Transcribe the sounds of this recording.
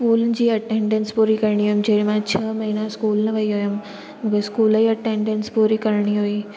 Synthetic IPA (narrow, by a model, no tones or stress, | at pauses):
skuːld͡ʑiːɐʈẽːɳɖẽnspuːɾikɐɾɳ̃iɦoːjumd͡ʑeːɽmãt͡ɕʰɐːmɐɦinaskuːlnɐʋɐiɦojum | mũkeskuːliɐʈẽːɳɖenspuːɾikɐɾɽ̃iɦoiː